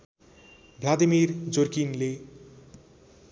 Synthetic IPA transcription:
blad̪imird͡zorkinle

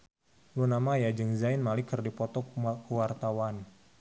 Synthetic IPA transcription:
lunamajad͡ʒɨŋzainmalikərdipɔt̪ɔkkuwart̪awan

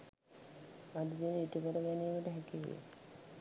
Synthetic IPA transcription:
ʋadid̪enəiʈukəɾəɡæniːməʈəɦækiʋḛjḛ

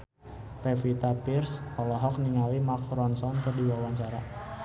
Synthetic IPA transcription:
pɛfit̪apirsɔlɔɦɔk̚niŋawimakɾɔnsɔnt̪ərdiwawaɲt͡ʃaɾa

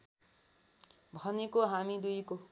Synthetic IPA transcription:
bʱʌnekoɦamid̪ujko

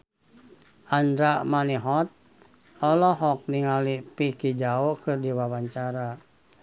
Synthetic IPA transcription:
ʔandɾamaniɦɔt̪̚ | ɔlɔɦɔk̚niŋalipikid͡ʒaɔkɨrdiwawaɲt͡ʃaɾa

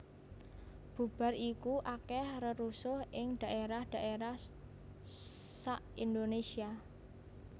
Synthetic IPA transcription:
b̥ṳb̥a̤rikuʔakɛhrəɾusʊhʔɪŋd̪̥a̤ʔeɾahd̥a̤ʔeɾah | saʔind̪onesia

